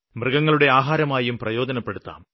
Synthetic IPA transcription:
mrɨɡɐŋːɐɭuɽe̞aːɦaːɾɐmaːjumprɐjo̞ːdɐnɐpːe̞ɽut̪ːa̰ːm

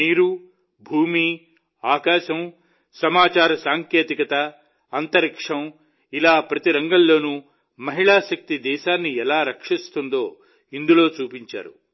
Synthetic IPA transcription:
miːɾu | bʱuːmi | aːkaːʃɐm | sɐmaːt͡ʃaːɾɐsaːŋkjeːt̪ikɐt̪ɐː | nt̪ɐɾikʂɐm | ilaːpɾɐt̪iɾɐŋɡɐlːo̞ːnu | mɐɦiɭaːʃɐk̚t̪id̪ɛːʃaːnːiɛlaːɾɐkʂist̪und̪o̞ː | ind̪ulo̞ːt͡ʃuːpiɲt͡ʃa̰ːɾṵ

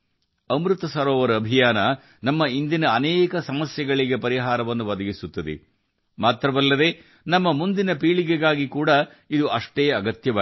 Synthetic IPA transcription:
ɐmɾut̪ɐsɐɾoːʋɐɾuɐbʱijaːnɐ | nɐmːɐind̪inɐːnɛːkɐsɐmɐsjɛɡɐɭiɡe̞pɐɾiɦaːɾɐʋɐnːuʋɐd̪ɐɡisut̪ːɐd̪ḛ | maːt̪ɾɐʋɐlːɐd̪e̞ː | nɐmːɐmund̪inɐpiːɭiɡeɡaːɡikuːɽɐ | id̪uʔɐʂʈeːɐɡɐt̪jɐʋaː

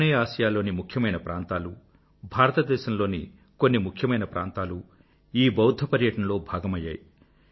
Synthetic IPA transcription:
neaːʃɐjaːlo̞ːnimukʰjɐmɐjnɐpɾʔaːnt̪aːlu | bʱaːɾɐt̪ɐd̪ɛːʃɐmlo̞ːnḭ | konːimukʰjɐmɐjnɐpɾʔa̰ːnt̪aːlu | iːbɐwd̪ʱːɐpɐɾjɐʈɐnɐlo̞ːbʱaːɡɐmɐjːa̰ːj

